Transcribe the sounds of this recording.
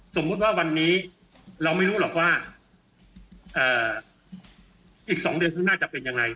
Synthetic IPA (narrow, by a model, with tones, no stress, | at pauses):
so˩˦mːu˦˥t̪̚waː˥˩wa˧nːiː˦˥ | ɾa˧wma˥˩jɾuː˦˥lɔː˨˩k̚waː˥˩ | ʔɤː˨˩ | ʔiː˨˩k̚sɔː˩˦ŋdɯ˧ənsɯ˥˩ŋnaː˥˩t͡ɕa˨˩pe˧nja˧ŋːa˧j